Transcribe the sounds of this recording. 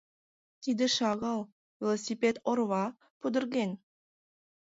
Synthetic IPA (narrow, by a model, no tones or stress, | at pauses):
t̪ʰid̪ɪʃɑʁɑlˠ | vʲelˠosʲipʲet̪oɾvɑ | pʰɵd̪ɪ̆ɾɡʲen